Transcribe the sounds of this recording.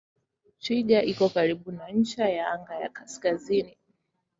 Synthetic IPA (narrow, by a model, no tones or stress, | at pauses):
t͡ʃiʄaʔikɔkaɾiɓunaɲ̩t͡ʃajaaŋɡaja̰kaskazini